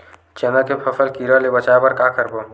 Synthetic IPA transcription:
t͡ʃənəkepʰəpʰəlkiɾəlebət͡ʃabəɾkakəɾbo

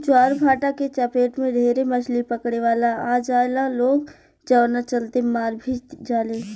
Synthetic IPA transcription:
t͡ʃwaːɾbʱaːʈaket͡ʃapeːʈmẽɖʱeːɾemət͡ʃʰlipəkɽ̃eʋaːlaaːd͡ʒaːelaloːɡ | d͡ʒəʋnat͡ʃəlt̪emaːɾbʱid͡ʒaːleː

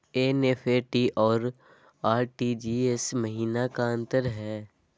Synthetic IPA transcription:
eːneːfʰeʈiʔɔːɾ | aːɾʈid͡ʒiːesməɦiːnakaə̃nt̪əɾɦɛː

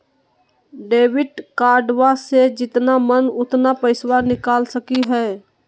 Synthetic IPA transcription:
ɖeːʋɪʈkaːɾɖwased͡ʒɪt̪namənʊt̪napəɪswanɪkaːlsəkiɦɛː

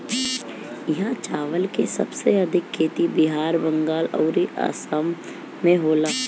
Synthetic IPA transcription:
jɪɦãt͡ʃaːʋəlkesɐ̰bseɐd̪ʱɪkʰːeːt̪ibɪɦaːɾbə̃ŋɡaːlɔ̰ːɾiʔa̰ːsamː | ẽɦoːla

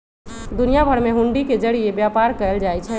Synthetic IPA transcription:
d̪ʊnijabʱəɽmẽɦʊ̃ɳɖiked͡ʒɐɽijebjaːpaːɾkəəld͡ʒaːit͡ʃʰɛ

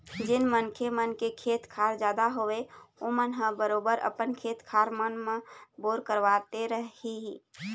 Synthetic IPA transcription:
d͡ʒɪnmənkʰemənkekʰeːt̪kʰaːɾd͡ʒjaːd̪aɦoeomənɦəbəɾoːbəɾʔə̰pənkʰeːt̪kʰaːɾmənmẽboːɾkəɾʋaːt̪eɾəɦiɦiː

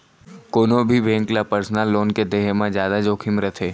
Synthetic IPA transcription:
koːnobʱibẽːŋklapəɾsnaːlːoːnked̪eːɦemãd͡ʒjaːd̪ad͡ʒoːkʰɪmɾət̪ʰeː

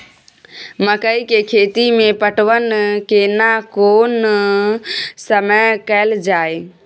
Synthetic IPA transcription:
məkəikekʰeːt̪imẽpəʈʰʋənkenakoːn | səməjkəɪld͡ʒaːe

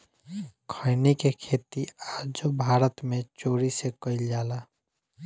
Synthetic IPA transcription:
kʰəɪnekekʰeːt̪iaːd͡ʒobʱaːɾət̪mẽt͡ʃoːɾisekəɪld͡ʒaːla

